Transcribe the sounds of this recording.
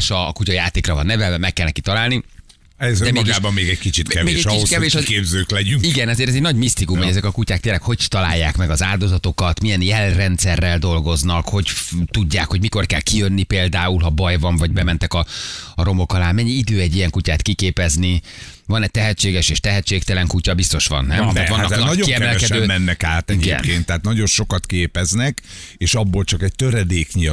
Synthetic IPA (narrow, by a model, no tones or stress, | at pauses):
ʃɒkucɒjaːt̪eːkrɒvɒnːɛvɛɛmɛkːɛlnɛkit̪ɒlaːlni | ɛzd̪ɛmːɡaːbɒmːeːɡɛckit͡ʃit̪kkɛvmeːeːɡɛkit̪kɛveːʃʃkeːbzøːklɛɟyŋiɡɛnɛzeːɾɛzɛɟnɒɟmist̪ikumɛɟɛzɛkɒkucaːk̚t̪eːrlːɛkho̞ct̪ɒla̰ːjːaːkmɛɡɒzaːld̪o̞zɒt̪o̞kɒt̪mijɛnjɛlrɛnt̪sɛrːɛld̪o̞lɡo̞znɒkho̞ɟt̪uɟːaːkho̞ɟmiko̞rkɛlkijønːipeːld̪aːulɦɒbɒjvɒɱvɒɟbɛmɛnt̪ɛkɒɒɾo̞mo̞kɒlaːnmɛɲːiid̪øːɛɟːijɛŋkucaːt̪kikeːpɛzni | vɒnɛt̪ɛɦɛt͡ʃːeːɡɛʃeːʃt̪ɛɦɛt͡ʃːeːk̚t̪ɛlɛŋkucɒbist̪o̞ʃʋɒ̰nːɛmɛvɒnːɒnɒoiɛmɛlɛkɛd̪øːmɛnːɛkaːt̪ɛiɡɛ̰nkeːnt̪ːɛaːt̪nɒɟo̞nʃo̞kɒt̪keːpɛznɛkeːʃɒbːo̞lt͡ʃɒkɛc̚t̪øɾɛd̪eːkɲi